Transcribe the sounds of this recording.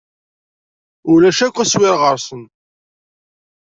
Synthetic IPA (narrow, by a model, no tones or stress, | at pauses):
ʊlæʃækʷːæswɪɾʁəɾsən